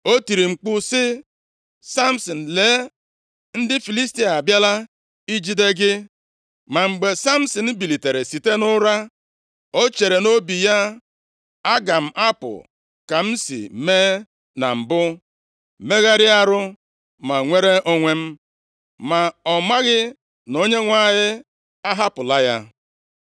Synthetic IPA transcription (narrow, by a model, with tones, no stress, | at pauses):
o˦ti˨ɾi˨ŋ͡m̩˨k͡pʊ˦sɪ˦ | sa˦m̩˨sɔ˨n̩˨leː˨˦ | n̩˦dɪ˦fi˨li˦sti˦a˨a˨bja˦la˦ | i˦d͡ʒi˦de˦ɡɪ˦ | ma˨ŋ͡m̩˨ɡ͡be˨sa˦m̩˦sɔ˨n̩˦bi˨li˨te˨ɾe˨si˨te˦nʊ˦ɾa˦ | o˦t͡ʃe˨ɾe˨no˦bi˨ja˦ | a˦ɡa˨m̩˦˨ʔa˦pʊ̰˨ | ka˨m̩˦sḭ˨meː˦ | na̰˨m̩˨bʊ˦ | me˦ɣa˦ɾɪ˦a˦ɾʊ˦ | ma˨ŋʷe˦ɾe˦ʔo˦ŋʷe˦m̩˦ | ma˨ɔ˨ma˦ɣɪ˦ | no˦ɲe˦ŋʷa˦ɦɪ˦ | a˦ɦa˦pʊ˨la˦ja̰˦